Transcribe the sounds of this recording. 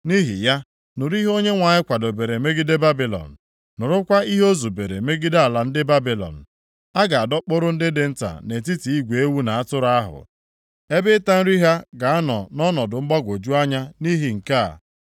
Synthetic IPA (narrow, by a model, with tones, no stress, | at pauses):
ni˦ɦḭ˨ja˦ | nʊ˨ɾi˦ɦo˦ɲe˦ŋʷa˨ɲɪ˦kʷa˨do˨be˨ɾe˨˦me˦ɡi˦de˦ba˦bi˨lɔ̰˨n̩˨ | nʊ˨ɾʊ˦kʷa˦i˦ɦo˦zu˨be˨ɾḛ˨me˦ɡi˦da˨la˨n̩˦dɪ˦ba˦bi˨lɔ̰˨n̩˨ | a˦ɡa˨a˨dɔ˦k͡pʊ˦ɾʊ˦n̩˦dɪ˦dɪ˦n̩˦ta̰˨ne˨ti˦ti˨i˦ɡʷe˨e˦wu˦na˨a˦tʊ˦ɾa˦ɦʊ̰˨ | e˦bɪ˦ta˦n̩˦ɾi˦ɦa˦ɡa˨a˦nɔ˨nɔ˦nɔ˨dʊ˨ŋ͡m̩˦ɡ͡ba˦ɡʷo˨d͡ʒu˦a˦ɲa˦ni˦ɦi˨ŋ̩˨ka̰˦˨